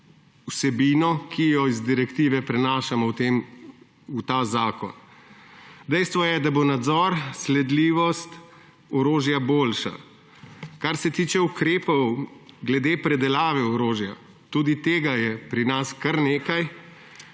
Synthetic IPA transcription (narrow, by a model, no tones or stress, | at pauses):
usɛbiːnɔkʰijɔizd̪iɾɛkt̪iːʋɛpɾɛnaːʃamɔwt̪em | ut̪aːzaːkɔ̰n | d̪ɛjst̪ʋɔjɛd̪abonad̪zɔɾslɛd̪liːʋɔst̪ | ɔɾoːʒjaboːlʃa̰ | kaɾsɛt̪iːt͡ʃɛukɾeːpɔwɡlɛd̪eːpɾɛd̪ɛlaːʋɛɔɾoːʒja | t̪uːd̪it̪eːɡajɛpɾinaskaɾneːkaj